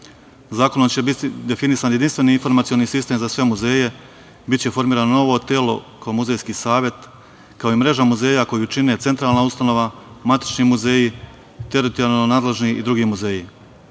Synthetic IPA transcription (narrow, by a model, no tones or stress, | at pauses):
zaːko̞nomt͡ɕebit̪id̪e̞finisanjed̪inst̪ʋe̞niinfo̞ɾmat̪sio̞niːsist̪e̞mzasʋe̞muze̞ːje̞ | bit̪t͡ɕe̞fo̞ɾmiːɾaːnonoʋo̞t̪eːlo̞̰kaomuze̞jskiːsaːʋje̞t̪ | kaoimɾe̞ʒamuze̞ːjako̞jut͡ʃine̞t̪se̞nt̪ɾaːlˠnaust̪ano̞ʋamat̪i̥t͡ʃnimuze̞ːji | t̪e̞ɾit̪oɾaanonaːd̪le̞ʒniid̪ɾuɡiːmuze̞ːji